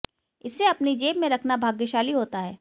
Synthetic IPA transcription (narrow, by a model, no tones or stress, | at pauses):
ɪsːeɐpnid͡ʒeːbmẽɾɐkʰnabʱaːɡjəʃaːliɦoːt̪aɦɛː